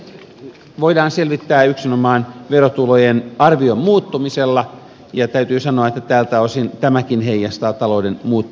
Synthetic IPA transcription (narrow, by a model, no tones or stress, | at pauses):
ʋoidɑːnselʋit̪ːæːyksinomɑːnʋerot̪ulojenɑrʋiommuːt̪ːumiselːɑ | jɑt̪æyt̪yːsɑnoɑet̪ːæt̪æːlt̪æosint̪æmækinheijːɑst̪ɑːtt̪ɑloudenmuːt̪ːu